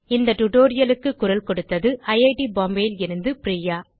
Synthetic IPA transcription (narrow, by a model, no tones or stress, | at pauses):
ɪnd̪ɐʈʊʈoːɾɪjɐlɯkːɯkːʊɾɐlkɔɽɯt̪ːɐðɯʔɐɪɐɪʈibaːmbeːlɪɾɯnd̪ɯpɾiːjaː